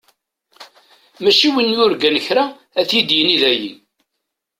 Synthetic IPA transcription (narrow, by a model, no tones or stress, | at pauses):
mæʃiwənjʊɾɡænəçɾa | æθjid̪jəniðæjḭ